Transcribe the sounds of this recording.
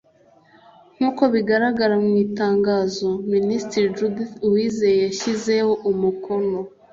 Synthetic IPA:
ŋ̥huːko̞βiɡaɾaɡaɾamŋiːtaːŋɡaːzo̞ministɾid͡ʒudwiːzejejaçize̞hoʔumuko̞no̞

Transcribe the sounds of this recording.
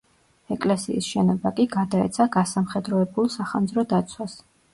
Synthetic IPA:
ɛkʼlɛsḭːsʃɛnɔbakʼiɡad̪aɛ̰t̪sʰaɡasamχɛd̪ɾɔɛbulˠsaχand̪zɾɔd̪at̪sʰwas

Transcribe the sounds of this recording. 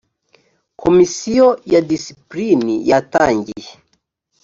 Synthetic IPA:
kʰɔmisiɔjadisi̥plinḭjataŋɡi

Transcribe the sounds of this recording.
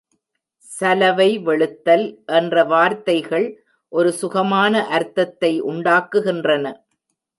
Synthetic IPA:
sɐlɐʋɐɪʋɛɭɯt̪ːɐlʔɛndrɐʋaːɾt̪ɐɪɣɐɭ | ʔɔɾɯsʊɣɐmaːnɐʔɐɾt̪ːɐt̪ːɐɪʔʊɳɖaːkːɯɣɪndrɐnɐ

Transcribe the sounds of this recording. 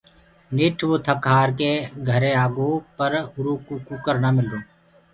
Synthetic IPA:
nɪʈʰʋoːt̪ʰəkaːɾkeɡʱəɾeaːɡoːpəɾʊɾuːkukukəɾnaːmɪldoː

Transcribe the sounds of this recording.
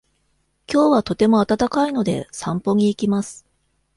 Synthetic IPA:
kʲo̞ːβat̪o̞t̪e̞mo̞at̪at̪akaino̞d̪e̞̰sãmpo̞ɲ̟iːkʲimasɨ̥

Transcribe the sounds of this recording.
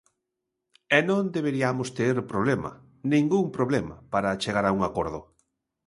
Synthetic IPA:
ɛnõnd̪eβ̞eɾiamʊst̪eɾpɾoβlema̰ | nĩŋɡuŋpɾoβlema̰paɾat͡ʃeɣ̞aɾauŋakoɾð̞ʊ̰

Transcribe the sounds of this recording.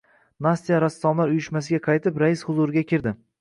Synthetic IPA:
nast̪ijaɾast̪ɒmlaɾʊjɪʃmas̬ɪɡʲaqʰɑjt̪ʰɪpɾajɪshʊzuɾɪɡʲakʲʰɪɾd̪ɪ

